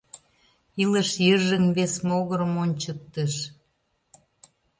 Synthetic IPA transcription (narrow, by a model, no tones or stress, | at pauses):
ilə̆ʃjəʒəmβesmoɣəɾə̆monʲt͡ɕək̚t̪əʃ